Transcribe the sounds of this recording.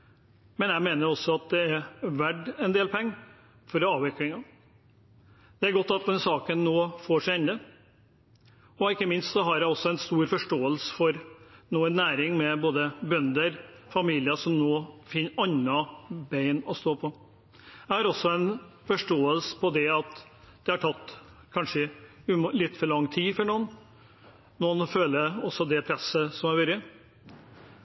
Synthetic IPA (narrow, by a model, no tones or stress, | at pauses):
mɛnjæɪmeːnəɾɔsːɔɑt̪̚d̪ɛæɾʋæɖɛnd̪eːlpʰɛŋː | fɔɾɑːʋɪklɪŋɑ | d̪̥ɛæɾɡɔt̪ːɑt̪̚d̪ɛnsɑːkənnoːfoːʂæɛnd̪ə | ɔɪkːəmɪnst̪sɔɦɑɾjæɪɔsːɔɛnst̪uːɾfɔʂʈoːəlsə̥fɔɾnoːɛnːæːɾɪŋmɛboːd̪əbœnd̪əɾfɑmiːlɪəsɔmnoːfɪnːɑnɑbæɪnɔst̪oːpʰɔ | æɪhɑɾɔsɔɛnfɔʂʈoːəlsə̥pʰɔd̪ɛɑt̪ | d̪̥ɛhɑʈʰɑt̪ːkʰɑnʂə | lɪt̪ːfɔɭɑŋːt̪ʰiːfɔɳuːn | nɔːnføːləɔsɔd̪ɛpʰɾɛsəsɔmæɾʋʉɾə